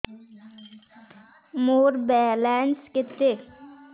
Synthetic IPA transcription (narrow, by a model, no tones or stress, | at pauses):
moːɾbɛːlɛːnskɪt̪ːe